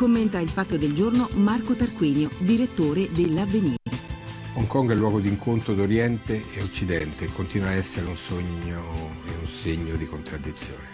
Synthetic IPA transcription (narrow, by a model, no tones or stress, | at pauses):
komːent̪ailfat̪ːod̪eld͡ʒornomarkot̪arkwiːnjod̪iɾet̪ːoːɾed̪elːavːenjiɾe | ɔŋkɔŋɡɛlːwɔːɡod̪iŋkʰont̪ɾod̪oɾjɛnt̪eeot͡ʃːid̪ɛnt̪ekːont̪inwaɛsːeɾeunsoɲːoeunseɲːod̪ikont̪ɾad̪ːit̪sːjo̰ːne